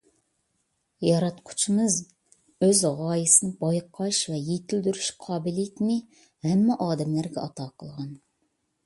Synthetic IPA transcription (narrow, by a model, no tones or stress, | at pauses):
jɑɾɑt̪qʰʊ̥t͡ʃʰimɨz | øzʁɑːjisɨnɪbɑjqʰːɑʃvɛjet̪ʰɪld̪yɾyʃqʰɑːbɪlijit̪mɪ | hɛmːɛʔɑːd̪ɛmlæɾɡʲɛɑt̪ʰɑːqʰəlˠʁɑn